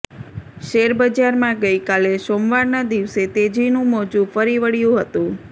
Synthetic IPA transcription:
ʃeɾbəd͡ʒaɾmãɡəjkalesomʋaɾnad̪iʋset̪ed͡ʒinũmod͡ʒũfəɾiʋəɽjũɦət̪ũ

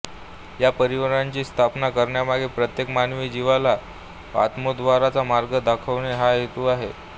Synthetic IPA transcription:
japəɾiʋəɾaɲt͡ɕiːst̪ʰapnakəɾɳjamaɡʱepɾət̪jekmanʋiːd͡ʑiʋala | a̰t̪mod̪ʋaɾat͡samaɾɡəd̪akʰəʋɳeɦajet̪uːaɦe

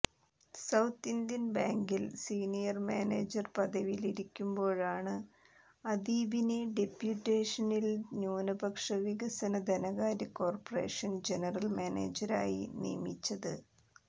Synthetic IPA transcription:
sɐwt̪ːind̪jɐnbaːŋɡilsiːnijɐrma̰ːnḛːd͡ʑɐrpɐd̪ɐʋiliɾikʲːumbo̞ːɻaːɳɨ | ɐd̪iːbineɖepjuʈːeːʂɐnilɲuːnɐbɐkʂɐʋiɡɐsɐnɐd̪ʱɐnɐɣaːɾɐkːo̞ːrpɐre̞̰ːʂɐnd͡ʑenɐrɐlmaːnḛːd͡ʑɐɾa̰ːjḭnḭjɐmit͡ɕːɐðɨ

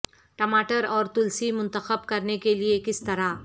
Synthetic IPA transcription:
ʈɐmaːʈəɾɔːɾt̪ʊlsimʊ̃nt̪əxəbkɐɾnekeliekɪst̪ɐɾa

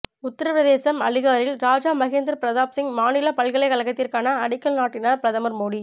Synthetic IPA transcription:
ʊt̪ːɐɾɐpɾɐðeːsɐmɐlɪɣaːɾɪlɾaːd͡ʒaːmɐɣeːnd̪ɪɾpɪɾɐðaːpsɪŋmaːnɪlɐpɐɭɣɐɭɐɪkɐlɐɣɐt̪ːɪrkaːnɐɐɽɪkːɐlnaːʈːɪnaːɾpɪɾɐðɐmɐɾmoːɽi

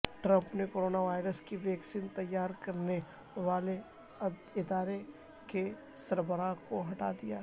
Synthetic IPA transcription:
ʈɾə̃mpnekoːɾoːnaʋaːɪɾəskiʋɛːksint̪ɐjːaːɾkɐɾne | ʋaːle | ɪd̪aːɾe | ke | sɐɾbəɾaːkoɦɐʈaːd̪ijaː

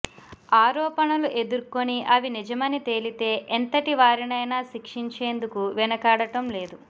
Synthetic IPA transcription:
aːɾɔːpɐnɐluʔe̞d̪uɾko̞niʔɐʋinid͡ʒɐmɐnit̪e̞ːlit̪e̞ːʔent̪ɐʈiʋaːɾinɐjnaːʃikʂiɲt͡ʃeːnd̪ukuʋɛnɐkaːɽɐʈɐmle̞ːd̪u

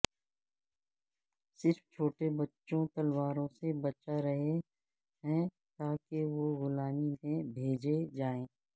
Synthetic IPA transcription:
sɪɾft͡ʃʰoːʈebɐtːʃõt̪ɐlwaːɾõsebɐt͡ʃaɾɐɦe | ɦɛ̃ | t̪aːkeʋoɣʊlaːmimẽbʱeːd͡ʒed͡ʒaːẽː

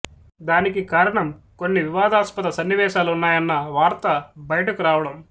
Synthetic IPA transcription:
d̪aːnikikaːɾɐɳɐmko̞nːiʋiʋaːd̪aːspɐt̪ɐsɐnːiʋɛːʃaːluunːaːjɐnːɐʋaːɾt̪ɐbɐjɐʈɐkuɾaːʋɐɽɐm

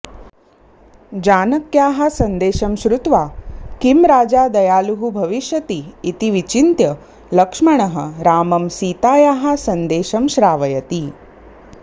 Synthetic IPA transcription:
d͡ʒaːnɐkjaːɦɐ̆sɐnd̪eːʃɐmʃɾut̪ʋaːkimɾaːd͡ʒaːd̪ɐjaːluɦubʱɐʋiʃjɐt̪iːt̪iʋit͡ʃint̪jɐ | lɐkʂmɐɳ̃ɐɦɐ̆ɾaːmɐmsiːt̪aːjaːɦɐsɐnd̪eːʃɐmʃɾaːʋɐjɐt̪i

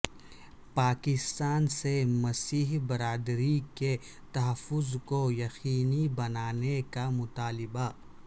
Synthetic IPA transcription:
paːkɪst̪aːnsemɐsiːɦbɐɾaːd̪ɾike | t̪ɐɦəfːʊzkojɐxiːnibɐnaːnekamʊt̪aːlɪba

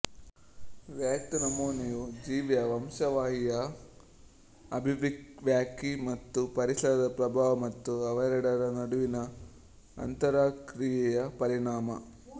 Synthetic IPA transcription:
ʋjaːkt̪ɐnɐmoːnijud͡ʒiːʋjɐʋɐmʃɐʋaːɦijɐ | ɐbʱiʋiʋjaːkimɐt̪ːupɐɾisɐɾɐd̪ɐpɾɐbʱaːʋɐmɐt̪ːuɐʋɐjɾɐɽɐɾɐnɐɽuʋinɐ | ɐ̰nt̪ɐɾaːkɾijɛjɐpɐɾiɳaːmɐ

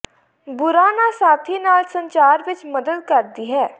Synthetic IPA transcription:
bʊɾaːnasaːt̪ʰinaːlsə̃ɲt͡ʃaːɾʋɪt͡ʃməd̪əd̪kəɾd̪iɦɛː

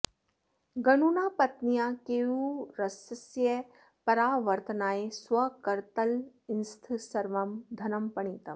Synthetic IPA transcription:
ɡɐnunaːpɐt̪nijakeuɾɐsɐsjɐ | pɐɾaːʋɐɾt̪ɐnaːesʋɐkɐɾt̪ɐlɪnst̪ʰisɐɾʋɐmd̪ʱɐnɐmpɐɳiːt̪ɐm

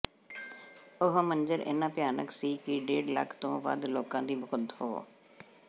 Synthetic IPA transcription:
ʊɦmə̃nd͡ʒəɾʔɪ̰nãːpjaːnə̰ksiːkiɖeːɖlə̰kʰt̪õːʋə̰d̪loːkãːd̪iːbʊkət̪ɦo̰ː

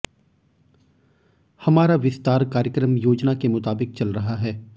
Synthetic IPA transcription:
hɐmaːɾaʋɪst̪aːɾkaːɾjəkɾəmjoːd͡ʒnakemʊt̪aːbɪk̚t͡ʃɐlɾɐɦaɦɛː

